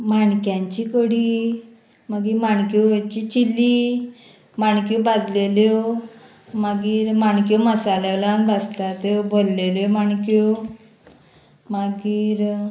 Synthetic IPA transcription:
maɳkjãɲt͡ɕikoɽi | maɡimaɳkuət͡ɕit͡ɕilːi | maɳkubad̪leljo | maɡiːɾmaɳkjoməsalaʋlanbast̪at̪ebolleljɔmaɳko | maɡiːɾ

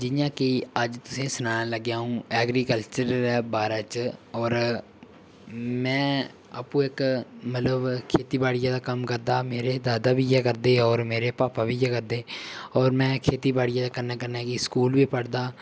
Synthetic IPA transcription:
d͡ʒɪjãːkiəd͡ʒt̪ʊsẽːsʊnaːnaːləɡaːũːɛːɡɾiːkəlt͡ʃəɾɛːbaːɾaːt͡ʃɔːɾ | mɛ̃ː | a̰ːpũːɪkmət̪ləbkʰeːt̪iːbaːɽɪjãːd̪aːkəmkəɾd̪aːmeːɾeːd̪aːd̪aːbʱiːjɛːkəɾd̪eːɔːɾmeːɾeːpaːpaːbiːjɛːkəɾd̪eːɔːɾmɛ̃ːkʰeːt̪iːbaːɽɪjãːd̪aːkəɾnaːkəɾnaːkiskuːlbiːpəɽd̪aː

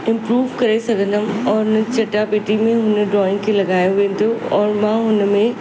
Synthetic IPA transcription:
ɪ̃mpɾuːʋkɐɾesɐɡʱə̃nəmɔːɾʊnət͡ɕɐʈːapɪʈimẽɦʊneɖɾɔːɪ̃ŋɡkʰelɐɡaːjõʋẽːnd̪oɔːɾmãːɦʊnmẽ

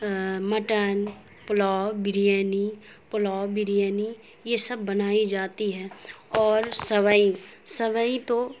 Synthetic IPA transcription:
məʈən | pʊlɔːbɪɾijɛːni | plɔːbɪɾijɛːni | jesɐbːɐnaːid͡ʒaːt̪iɦɛːɔːɾsəʋəĩsəʋəĩt̪o

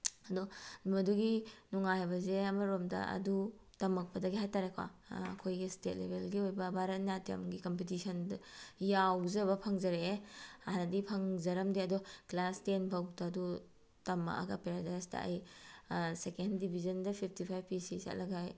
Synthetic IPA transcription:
ɐdɔmɐduɡinuŋajabɐzeɐmɐɾomdɐ̰ɐ̰dutɐmɐk̚pɐdɐɡiɦajtaɾekʰwa̰ɐ̰kʰojɡistet̚lḛbelɡiojbɐbʱaɾɐt̚natiɐ̰mɡikompetisɐndjawzɐβɐpʰɐŋzɐɾeːanɐdipʰɐŋzɐɾɐmdiɐdɔklastenpʰɐwtɐːdu | tɐmɐ̰ʔɐ̰ɡɐpeɾadajstɐ̰ɐ̰j | sekenddibʱizɐndɐpʰip̚ʰtipʰajbpisisa̰tlɐɡaj

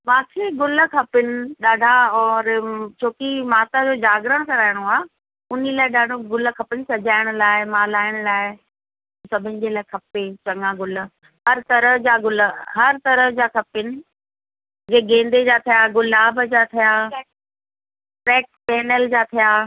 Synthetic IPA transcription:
mãːkʰeɡʊləkʰɐpɪnɪ̆ɗaːɖʱaɔːɾt͡ɕʰoːkimaːt̪ad͡ʑoːd͡ʑaːɡɾəɽ̃kɐɾaːɪɽ̃oaː | ʊnilaːɪɗaːɖʱoɡʊlkʰɐpɪnɪ̆sɐd͡ʑaːɪɽ̃ʊlaːɪmaːlaːɪɽ̃laːɪ | sɐbʱɪnɪ̆d͡ʑelaːɪkʰɐpet͡ɕɐ̃ŋɡãɡʊl̆ | ɦɐɾt̪ɐɾəd͡ʑaːɡʊlɦɐɾt̪ɐɾəd͡ʑaːkʰɐpɪnɪ̆ | d͡ʑeːɡẽːnd̪ed͡ʑaːt̪ʰijaɡʊlaːbəd͡ʑaːt̪ʰijaː | pɾɛːk̚pɛːnəld͡ʑaːt̪ʰijaː

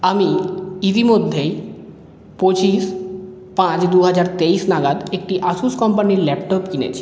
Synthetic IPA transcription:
amiit̪̬imod̪ʱːej | pot͡ɕis | pãt͡ɕd̪uɦad͡ʑaɾt̪eisnaɡad̪ek̚ʈiʔasuskɔmpaniɾlɛpʈopkinḛt͡ɕʰi̥

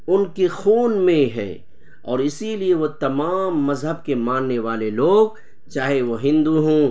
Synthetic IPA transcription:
ʊnkexuːnmẽɦɛ̰ː | ɔːɾɪsilieʋot̪ɐmaːmːɐzɦəbkemãːnːeʋaːleloːɡ̚ | t͡ʃaːɦeʋoɦɪ̃nd̪uɦõː

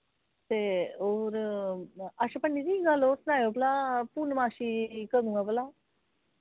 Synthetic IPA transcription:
t̪eoɾ | aʃapəɳːiɾiɡaːlosnaːjoplapunmaːʃikəɾũɡapəla

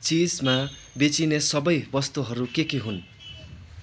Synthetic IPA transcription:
t͡sid͡zma | bet͡sinesʌbʌjbʌst̪uɦʌɾukekiɦun

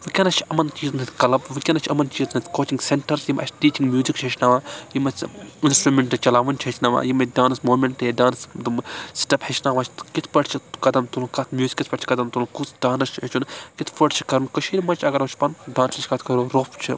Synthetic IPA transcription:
ʋɨkʲɐnɐt͡ʃʰiɐmɐnt͡ʃiːznɨt̪ʰʲkɐlɐbʋɨkʲɐnɐt͡ʃʰɐmɐnt͡ʃiːznɐt̪ʰʲkoːt͡ʃiŋɡseɳʈɐɾsjimʔɐ̰t͡ʃʲʈiːt͡ʃiŋɡmjuːzikt͡ʃʰɦɐt͡ʃʰnɐʋaːjimɐt͡sinsʈɾumʲeɳʈːɨt͡ʃɐlaːʋɐnt͡ʃʰɦɐt͡ʃʰʲnɐʋa̰ːjimɐdaːnɨsmoːmʲeɳʈedaːnsd̪umsʈɐphɐt͡ʃʰnaʋat͡ʃʰt̪kit̪ʰpɐʈt͡ʃʰikɐd̪ɐmt̪ulkɐt̪ʰmjuːzi̥kʲit̪ʰpɐʈt͡ʃʰi̥kɐd̪ɐmt̪ulkut͡sdaːnɐst͡ʃʰɐt͡ʃunkit̪ʰpɐʈt͡ʃʰi̥kɐɾɨnkət͡ʃʰiɾʲimɐt͡ʃʰɐɡɐɾʋɐt͡ʃʰpɐnɖaːnsit͡ʃʰʲkɐt̪ʰkʰɐɾuɾoːpt͡ʃʰi

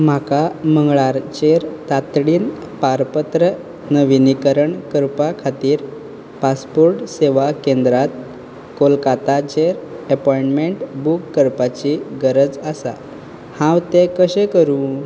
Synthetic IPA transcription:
m̤akaməŋɡɭaɾt͡ɕeɾt̪at̪ɽiːn | paɾpət̪ɾə | nəʋinikəɾəɳkəɾpakʰat̪iːɾ | paspoɾʈseʋakẽnd̪ɾat̪ | kolkat̪at͡ɕeɾəpɔiɳʈmeɳʈbukːəɾpat͡ɕiɡəɾəd͡zəsa̰ | hãwt̪ekəɕẽkəɾũː

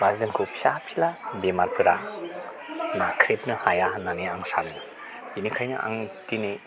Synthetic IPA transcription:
bazenkʰopʰsapʰilabemaɾpʰɯɾa | nakʰɾepnɯhajananiaŋsanɯ | inikʰajnɯ̰ʔa̰ŋtini

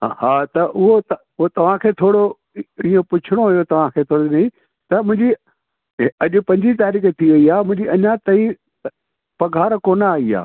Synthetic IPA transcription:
haːt̪ɐʔʊɦot̪ | ʊɦot̪ɐʋ̤ãkʰeːt̪ʰoːɽo | iːõpʊt͡ɕʰɪɽ̃oɦʊjot̪ɐʋ̤ãkʰeːt̪ʰoːɽonɐĩ | t̪ɐmʊ̃ɦɪ̃ɲd͡ʑi | ɐʄʊ̆pɐ̃ɲd͡ʑit̪aːɾiːkt̪ʰiʋɐiaːmʊ̃ɦɪ̃ɲd͡ʑiɐɲãt̪ɐi | pɐɡʱaːɾkoːnəaːia̰ː

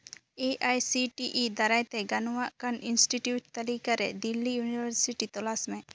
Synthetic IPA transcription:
eʔajsiʈiʔid̪aɾajt̪ɛɡanɔwaʔkaninsʈiʈjuʈ̚t̪alikaɾɛ̰d̪ilːijunibaɾsiʈit̪ɔlasmɛ̃

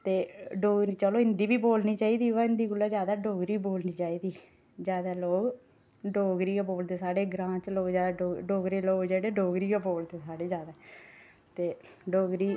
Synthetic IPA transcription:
t̪eːɖoːɡɾiːt͡ʃəloːɪ̃nd̪iːbiːboːlniːt͡ʃaːiːd̪iːʋaɪ̃nd̪iːɡʊlːaːzjaːd̪aːɖoːɡɾiːboːlniːt͡ʃaːiːd̪iː | d͡ʒjaːd̪aːloːɡ | ɖoːɡɾiːɡaːboːld̪eːsaːɖeːɡɾãːt͡ʃloːɡzjaːd̪aːoːɖoːɡɾeːloːɡd͡ʒeːɽeːɖoːɡɾiːɡaboːld̪eːsaːɽeːd͡ʒaːd̪a | t̪eːɖoːɡɾiː

